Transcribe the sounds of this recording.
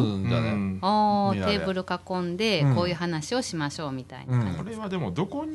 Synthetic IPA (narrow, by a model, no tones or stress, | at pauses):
oːt̪e̞ːbɯ̟ɾɯ̟kakõ̞nd̪e̞kko̞ːjɯ̟ːɦanaɕio̞ɕimaɕo̞ːmʲit̪a̰ḭna̰kaaoɾeβad̪e̞mod̪o̞ko̞ɲ